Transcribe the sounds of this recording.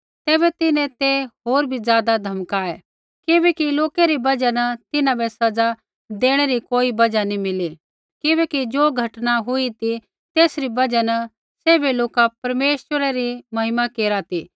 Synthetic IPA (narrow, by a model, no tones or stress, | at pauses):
t̪eːbɛt̪ɪnẽt̪eɦoːɾbʱizjaːd̪ad̪ʱɐmkaːe | kɪbɛːkiloːkeɾibɐd͡ʒanɐt̪ɪnãbɛsɐd͡za | d̪eːɽ̃ɛɾikoːibɐd͡ʒanimɪli | kɪbɛːkid͡ʒoːɡʱɐʈnaɦʊit̪i | t̪eːsɾibɐd͡ʒanɐ | seːbeloːkapɐɾmeːʃwəɾaɾimɐɦɪmakeːɾat̪iː